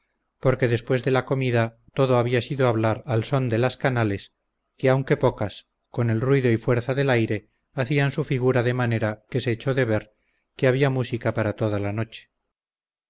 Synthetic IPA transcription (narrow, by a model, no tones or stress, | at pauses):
po̞ɾke̞ðe̞spwe̞zðe̞lako̞miða | t̪o̞ðo̞aβiasiðoaβlaɾalso̞nd̪e̞laskanale̞s | keawŋke̞po̞kas | ko̞ne̞lrwiðo̞ifwe̞ɾθaðe̞lajɾe̞ | aθiansufiɣuɾaðemane̞ɾake̞se̞ːt͡ʃo̞ðe̞β̞e̞ɾ | keaβ̞iamusikapaɾat̪o̞ðalano̞t͡ʃe̥